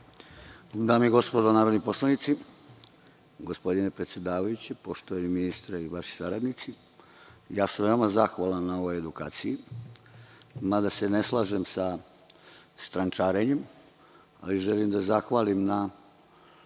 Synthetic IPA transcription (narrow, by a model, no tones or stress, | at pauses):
d̪aːmiɡo̞spo̞d̪onaːɾod̪nipo̞slanit̪si | ɡospo̞d̪ine̞pɾet̪sjed̪aːʋajut͡ɕepoʃt̪oeniminist̪ɾaiʋaʃi̥saɾad̪nit̪si | jaːsamʋe̞omazaxʋalˠanːao̞ʋoje̞d̪uka̰ːt̪siji | mad̪ase̞ne̞slˠaːʒe̞msa | st̪ɾant͡ʃaːɾe̞ɲe̞m | a̰liʒe̞limd̪azaxʋaːlimna